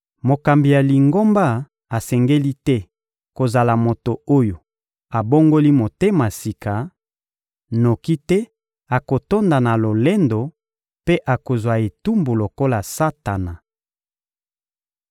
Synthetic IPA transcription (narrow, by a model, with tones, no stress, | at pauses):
mo˨ka˨mbi˨ja˨li˨ŋɡo˦mba˦ | a˨sɛ˨ŋɡe˦li˦tɛ˦ | ko˨za˨la˨mo˨to˨o˦jo˨ | a˨bo˦ŋɡo˦li˦mo˨te˦ma˨si˨ka˨ | no˨ki˦tɛ˦ | a˨ko˨to˦nda˨na˨lo˨le˦ndo˨ | pe˦ʔa˨ko˨zwa˨e˨tu˦mbu˨lo˨ko˦la˨sa˦ta˨na˨